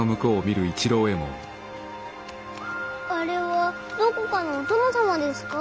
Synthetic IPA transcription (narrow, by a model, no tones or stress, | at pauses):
omɯ̟kɯːmʲiɾɯ̟it͡ɕiɾo̞ːe̞mo̰ | aɾe̞βa | d̪okokano̞ːt̪o̞nasamad̪e̞sɨ̥ka